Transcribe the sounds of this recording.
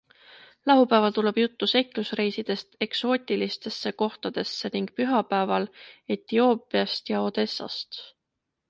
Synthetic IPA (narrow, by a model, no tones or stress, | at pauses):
lɑɦupæːvɑlt̪ule̞b̥jut̪ːuse̞kˑlusre̞jsid̪̥e̞st̪e̞kso̞ːt̪ʲilist̪e̞sːe̞ko̞ht̪ɑd̪̥e̞sːeniŋɡ̥̚pyɦɑpæːvɑle̞t̪io̞ːpˑiɑst̪jɑo̞ːd̪̥e̞sːɑ̰st̪